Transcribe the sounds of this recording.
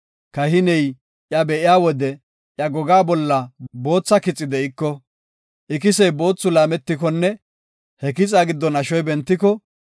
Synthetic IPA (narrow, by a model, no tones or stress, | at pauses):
kɐhɪnɛj | ʔjɐbɛʔɪjaːwɔd̪ɛ | ʔjɐɡɔɡaːbɔlːɐbo̞ːt͡sːɐkɪt͡sʼːɪd̪ɛɪkːɔ | ʔɪk̬ɪsɛjbo̞ːt͡sːʊlaːmɛt̪ːɪk̬ɔnːɛ | hɛkɪt͡sʼaːɡɪd̪ːɔnɐʃɔjbɛnt̪ːɪkɔ